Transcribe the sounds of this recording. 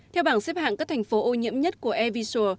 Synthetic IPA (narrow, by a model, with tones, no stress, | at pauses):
t̪ʰɛ˧wɓaː˧˩ŋsɛ˦˥p̚ha̰ː˧˨ŋkaː˦˥k̚t̪ʰjŋ̟fo˨˦ʔo˧ɲḭ˧˥əmɲə˦˥t̚ku˧˩əʔɛ˧vi˧so˧